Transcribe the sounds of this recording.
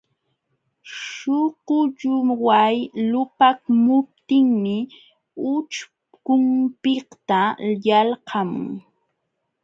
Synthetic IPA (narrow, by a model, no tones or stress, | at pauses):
ʃʊqʊʎʊwajlʊpakmʊp̚t̪ɪŋmɪ | ʊt͡ʃ | kʊmpɪkt̪ajalhɑmʊ̰ŋ